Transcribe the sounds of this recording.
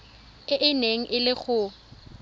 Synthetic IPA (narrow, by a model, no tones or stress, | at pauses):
ɪʔɪneŋ̩ʔɪlɪχʊ